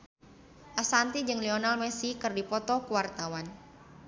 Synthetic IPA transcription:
ʔasant̪id͡ʒɨŋliɔnalmɛsikɨrdipɔt̪ɔkuwart̪awan

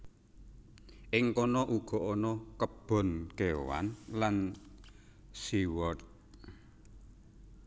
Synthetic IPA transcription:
ʔɪŋkɔnɔʔuɡ̥ɔ̤ʔɔnɔkəb̥ɔ̤nkewa̰nlan | siwɔt̪̚

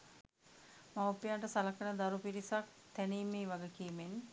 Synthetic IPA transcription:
maupːijaɳʈəsalakənəd̪aɾupiɾisak̚ | t̪æniːmeːʋaɡəkiːmen

